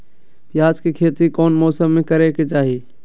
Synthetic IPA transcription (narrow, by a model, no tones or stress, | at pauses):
pjaːd͡ʒkikʰeːt̪ikoːnmoːsəmːẽkəɾeket͡ʃaːɦiː